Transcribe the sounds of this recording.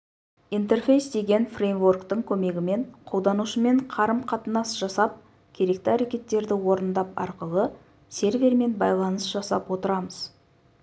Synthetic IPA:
ijnt̪̬e̞rfe̞jsd̪e̞ɡʲe̞nfrejmvo̞rkt̪əɴkʲʰɵme̞ɡʲɪme̞ɴqʰo̞wˠd̪ɑnuʃəme̞ɴqʰɑɾəmqʰɑt̪ənɑsʒ̥ɑsɑp̚ | kʲʰe̞ɾe̞kt̪ɪæɾekʲe̞t̪ːe̞ɾd̪ɪwo̞ɾənd̪ɑpɑ̰ɾqəlˠə | se̞ɾvʲe̞ɾme̞nbɑjlˠɑnəsʒ̥ɑsɑ̰pwo̞t̪əɾɑməz̥

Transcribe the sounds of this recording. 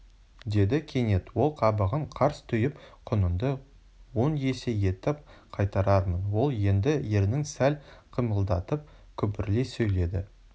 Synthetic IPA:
d̪e̞d̪ɪkʲʰe̞ne̞t̪wo̞lˠqʰɑbəʁəɴqʰɑɾst̪ʰʏjɪpqʰʊnənd̪ə | wo̞nje̞se̞je̞t̪ːɪqʰɑjt̪ɑɾɑɾmənwo̞lˠje̞nd̪ɪje̞ɾnɪŋsælqʰəməlˠd̪ɑt̪əp̚ | kʲʰɵpɪɾle̞sɵjle̞d̪ɪ̰

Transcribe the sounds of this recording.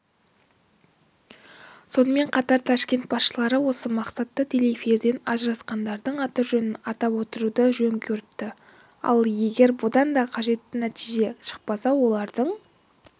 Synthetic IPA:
so̞nəme̞ɴqʰɑt̪ɑɾt̪ʰɑʃkʲe̞nt̪̚bɑsʃəlˠɑɾəwo̞səmɑqsɑt̪ːət̪ʰe̞lefeɾd̪e̞nɑʒəɾɑsqɑnd̪ɑɾd̪əɴɑt̪əɾʒɵnɪnɑt̪ɑpwo̞t̪əɾud̪əʒɵŋkʲʰɵɾɪp̚t̪ɪ | ɑ̰lˠje̞ɡʲe̞ɾbʊd̪ɑnd̪ɑqʰɑʒe̞t̪ːɪnæt̪iʒe̞ʃə̥q̚pɑsɑwo̞lˠɑɾd̪əɴ

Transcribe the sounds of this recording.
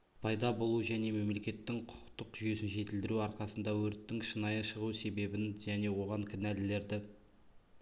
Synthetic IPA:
pʰɑjd̪ɑbo̞lˠuʒæne̞me̞mle̞kʲe̞t̪ːɪŋqʰʊ̥t̪əqʒyje̞sɪnʒe̞t̪ɪld̪ɪɾuɑɾqɑsənd̪ɑwɵɾt̪ːɪŋʃənɑjəʃəʁuse̞be̞bɪnʒæne̞wo̞ʁɑŋkʲʰɪnælɪle̞ɾd̪ɪ

